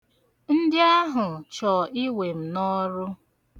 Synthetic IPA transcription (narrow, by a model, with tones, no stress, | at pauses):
n̩˦dɪ˦a˦ɦʊ˨t͡ʃɔ˨i˦we˨m̩˨nɔ˦ɾʊ˦